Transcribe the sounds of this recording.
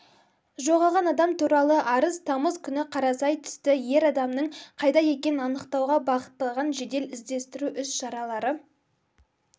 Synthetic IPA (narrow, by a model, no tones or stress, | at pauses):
ʒo̞ʁɑʁɑnɑd̪ɑmt̪ʰuɾɑlˠəʔɑɾəzt̪ʰɑməzkʲʰʏnɪqʰɑɾɑsɑjt̪ʰʏ̥st̪ɪje̞ɾɑd̪ɑmnəɴqʰɑjd̪ɑje̞kʲe̞nɪnɑnəqt̪ɑwʁɑbɑqə̥t̪ːɑlˠʁɑnʒe̞d̪e̞lɪzd̪e̞st̪ɪɾuʔʏsʃɑɾɑlˠɑɾə